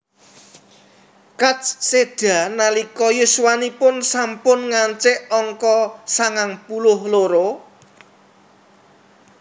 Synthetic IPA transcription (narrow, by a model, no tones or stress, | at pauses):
kat͡ʃssed̥a̤nalikɔjuswanipʊnsampʊnŋaɲt͡ʃɪʔɔŋkɔsaŋaŋpulʊhloɾo